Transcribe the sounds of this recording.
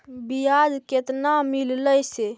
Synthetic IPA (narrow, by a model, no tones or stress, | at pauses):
bijad͡ʒket̪namilləjse